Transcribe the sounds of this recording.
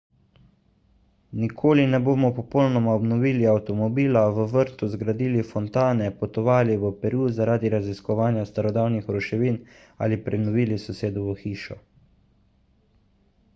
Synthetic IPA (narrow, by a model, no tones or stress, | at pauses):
nikʰoːlinɛboːmɔpɔpɔwnɔmaɔbnɔʋiːliawt̪ɔmɔbiːlaʋəʋəɾt̪uzɡɾad̪iːlifɔnt̪aːnɛpɔt̪ɔʋaːliʋəpɛɾuːzaɾaːd̪iɾaziskɔʋaːnjast̪aɾɔd̪awnixɾɔʃɛʋiːn | a̰lipɾɛnɔʋiːlisɔseːd̪ɔʋəxiːʃɔ